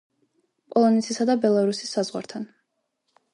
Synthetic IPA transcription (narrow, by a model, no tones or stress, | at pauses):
pʼɔlˠɔnɛt̪sʰisad̪abɛlˠaɾusisːazʁwa̰ɾt̪ʰan